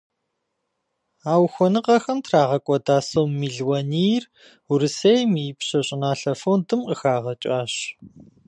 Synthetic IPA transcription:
aːwxʷɔnɨqɐxɐmtʰraːʁɐkʷʼɔdaːsowmːiːɮwɐniːr | ʊɾɨsejmipɕɐɕʼɪnaːɬɐfowndɨmqəxaːʁɐt͡ʃʼaːɕ

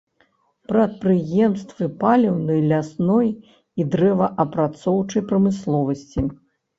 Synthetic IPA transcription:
pɾɐt̪̚pɾɨjɛmst̪vɨpalʲɛwnɨjlʲasnɔj | id̪ɾɛvɐʔɐpɾat̪sɔwt͡ʂɐjpɾɐmɨslˠɔvɐsʲt͡sʲi

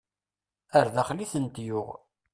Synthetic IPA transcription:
əɾðaχliθənt̪jʊʁ

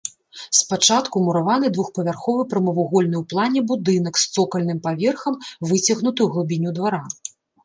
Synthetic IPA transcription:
spat͡ʂat̪kumuɾavan̪ɨd̪vuxpɐvʲarxɔvɨpɾɐmɐvuɣɔlʲnɨwplˠanʲɛbud̪ɨn̪ɐkst̪sɔkɐlʲnɨmpavʲɛrxɐmvɨt͡sʲɐɣnut̪ɨwɣlˠubʲinʲud̪vaɾa

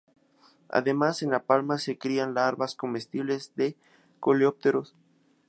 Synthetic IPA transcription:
a̰ðe̞mase̞nlapalmase̞kɾianlaɾβasko̞me̞st̪iβle̞zðe | ko̞leop̚t̪eɾo̞s

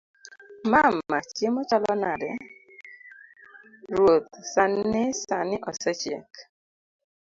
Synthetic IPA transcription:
mamːat͡ʃemɔt͡ʃɔlɔnadɛ | ɾot̪sanesanɪʔɔsɛt͡ʃɛ̰k

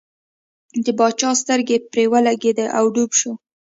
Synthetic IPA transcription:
d̪əbɑt͡ʃɑst̪əɾɡepɾewəlaɡed̪əʔawɖubʃo

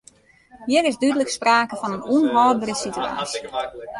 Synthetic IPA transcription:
jɪɾɪsdydələkspraːkəfɔnənuənɦɔlbərəsitya̰ːs

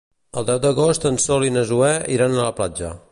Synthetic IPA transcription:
əlˠd̪ɛwd̪əɣost̪ənsolinəzuɛiɾanələplad͡ʒə̰

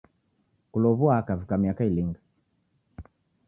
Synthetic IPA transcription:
kulɔβuaːkavikamiakailiŋɡa

